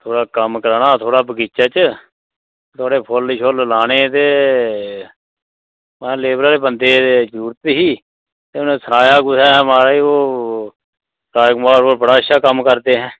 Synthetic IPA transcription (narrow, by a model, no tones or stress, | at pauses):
t̪ʰoːɽaːkəmkəɾaːnaːt̪ʰoːɽaːbəɡiːt͡ʃːaːt͡ʃə | t̪ʰʊaːɽeːpʰʊlʃoːllaːɽeːt̪eː | mɛ̃ːleːbɾaːɾeːbənd̪eːezəɾuːɾət̪ɦiː | t̪eːʊnẽːsʰənaːjaːɡʊsɛːmaːɾaːiːoː | ɾaːɡmaːɾoːɾbəɽaːəʃaːkəmkəɾd̪eːɦɛ̃ː